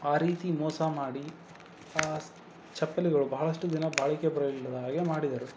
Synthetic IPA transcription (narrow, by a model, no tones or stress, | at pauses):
aːɾiːt̪imɔːsɐmaːɽi | aː | t͡ʃɐpːɐliɡɐɭubʱɐɦɐɭɐsʂʈud̪inɐbaːɭikepɾɐɡilːɐd̪ɦaːɡemaːɽid̪ɐɾu